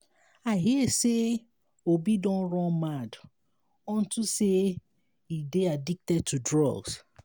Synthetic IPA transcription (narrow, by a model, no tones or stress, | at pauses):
aɦiɛse | obidɔ̃nɹɔ̃nmad | ɔ̃ntuse | ideadik̚tɛd̚tudɹɔ̰ɡs